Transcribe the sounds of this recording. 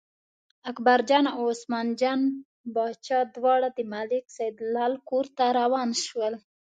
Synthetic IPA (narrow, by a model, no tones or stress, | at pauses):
akbaɾd͡ʒɑnaosmɑnd͡ʒɑn | bɑt͡ʃɑd̪wɑɽad̪əmalɪksajd̪lɑlkoɾt̪aɾawɑnʃwəl